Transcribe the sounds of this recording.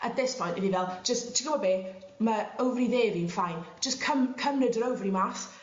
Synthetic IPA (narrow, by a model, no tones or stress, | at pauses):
ət̚ðɪspʰɔjntdɪnivɛl̥ˠd͡ʒ̥əsttʰikɡəbɔbeː | məəwvriðeːvinfajn̥d͡ʒ̥əskʰəmkʰəmnədəɾəwvrimaːθ